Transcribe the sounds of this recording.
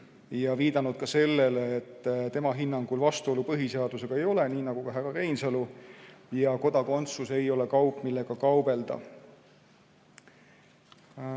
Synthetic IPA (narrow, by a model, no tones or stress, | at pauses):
jɑviːd̪̥ɑnud̪̥̚kɑse̞lːe̞leːt̪ːt̪e̞mɑɦinːɑŋɡ̥ulvɑst̪uo̞lupɤɦiseɑd̪̥use̞ɡ̥ɑe̞jo̞le̞niːnɑɡ̥ukɑɦærɑɾejnsɑlujɑko̞d̪̥ɑko̞nt̪suse̞jo̞le̞kɑwpːˑmilːe̞ɡ̥ɑkɑwbe̞ld̪̥ɑ̰